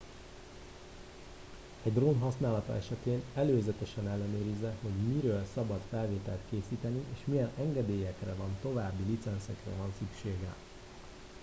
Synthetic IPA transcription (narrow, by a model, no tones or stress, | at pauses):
ɛɟd̪ronɦɒsnaːlɒt̪ɒ̰ʔɛʃɛt̪eːnɛløːzɛt̪ɛʃɛnɛlːɛnøːɾizːɛho̞ɟmiɾøːlsɒbɒt̪fɛlveːt̪ɛlt̪keːsiːt̪ɛniʔeːʃmijɛnɛŋɡɛd̪eːjɛkrɛvɒnt̪o̞vaːbːilit̪sɛnsɛkrɛ̰vɒnsykʃeːɡɛ̰